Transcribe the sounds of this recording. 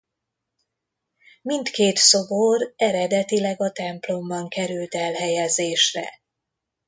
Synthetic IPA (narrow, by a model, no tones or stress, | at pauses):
mint̪keːt̪so̞borɛɾɛd̪ɛt̪ilɛɡɒt̪ɛmplo̞mbɒŋkɛɾylt̪ɛlɦɛjɛzeːʃrɛ̰